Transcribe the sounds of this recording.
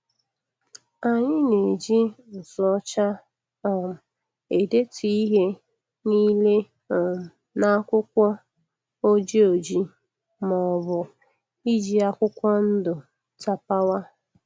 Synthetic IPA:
a˨ɲɪ˦ne˨d͡ʒi˦n̩˨sɔ˦t͡ʃa˦ | ɔ˨m̩˨ | e˨de˦tʰi˨i˦ɦe˦ | niː˦le˦˨ | m̩˨ | na˦kʷʊ˦kʷɔ˦ | o˦d͡ʒe˦o˨d͡ʒi˦ | mɔ˨bʊ˨ | i˦d͡ʒi˦a˦kʷʊ˦kʷɔ˦n̩˦dʊ˨ | ta˦pa˦wa˦

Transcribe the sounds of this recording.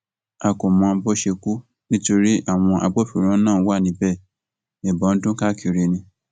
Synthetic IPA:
a˧kɔ˨mã˨˦˧bɔ˦ʃe˧ku˦ | nĩ˦to˧ɾi˦a˦˨w̃ɔ̃˧ʔa˧ɡ͡bɔ˦fi˨˦ɾ̃ã˦nãː˦˨˦wa˦˨nĩ˧˦bɛ˦˨ | ɛ˨bɔ˨˦n̩˦dũ˦ka˦˨kʰi˧ɾe˧nĩ˧

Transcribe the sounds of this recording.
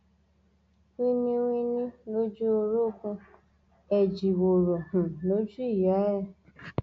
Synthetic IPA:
wĩ˦nĩ˧wĩ˦˧nĩ˦lo˦d͡ʒu˦o˧ɾo˦˨kũ˧ | ɛ˨d͡ʒi˨wo˨ɾo˨hũ˨lo˨˦d͡ʒu˦i˦˨ja˨˦ɛ˦˨

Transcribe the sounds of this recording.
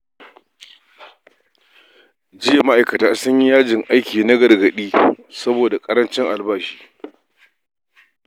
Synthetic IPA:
d͡ʒɪ˦ja˨ma˦ʔa˨jkɐ˨taː˨sʊ˦ɲji˦jaː˦d͡ʒɪ˨ŋʔa˦jkʲiː˨na˦ɡɐ˨rɡɐ˨ɗiː˦sɐ˦boː˨da˨kʼɐ˦ɾɐ˦nt͡ʃɪ˦ŋʔa˨lbaː˦ʃiː˦

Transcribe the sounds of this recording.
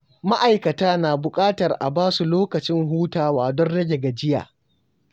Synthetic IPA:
ma˦ʔa˨jkɐ˨taː˦naː˨bʊ˨kʼaː˦tɐ˨rʔa̰˨baː˦su˨loː˦kɐ˨t͡ʃɪ˦ŋɦuː˦taː˨waː˨dɔ˦nɽɐ˦ɡʲe˨ɡa˨d͡ʒɪ˦ja̰ː˨

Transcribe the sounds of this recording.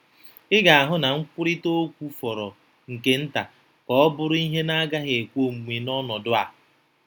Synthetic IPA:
ɪ˦ɡa˨a˨ɦʊ˦na˨ŋ̩˦kʷʊ˦ɾɪ˦to˦kʷu˦fɔ˨ɾɔ˨ | ŋ̩˨ke˦n̩˦ta˨ | kɔ˨ɔ˦bʊ˦ɾʊ˦i˦ɦe˦na˦ɡa˦ɦe˨kʷo˦˨m̩˨mʷi˨nɔ˦nɔ˨dʊ˦a˨

